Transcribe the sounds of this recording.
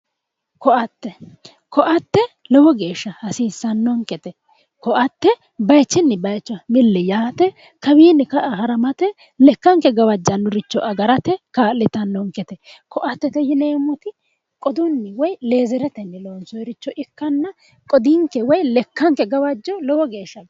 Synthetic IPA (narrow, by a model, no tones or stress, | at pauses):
kɔɐt̪ːɛ | kɔʔɐt̪ːɛlɔwɔɡe̞ːʃːɐhɐsiːsːɐnːɔŋkʼːɛt̪ɛ | kɔʔɐt̪ːɛ | bɐjt͡ʃːɛnːɪbɐjt͡ʃːɐmɪlːɛjaːt̪ɛ | kɐbiːnːɪkɐʔɦɐɾɐmɐt̪ɛ | lɛkːɐŋkɛɡɐwɐd͡ʒːɐnːʊɾɪt͡ʃːɔʔɐɡɐɾɐt̪ɛkaːlɪt̪ɐnːɔŋkʼːɛt̪ɛkɔʔɐt̪ːɛt̪ɛjɪneːmɔt̪ɪ | kʼɔd̪ʊnːɪwɔjle̞ːzɛɾɛt̪ɛnːɪloːnsɔjɾɪt͡ʃːɔʔɪkːɐnːɐ | kʼɔd̪ɪŋkɛwɔjlɛkːɐŋkɛɡɐwɐd͡ʒːɔlɔwɔɡe̞ːʃːɐɡ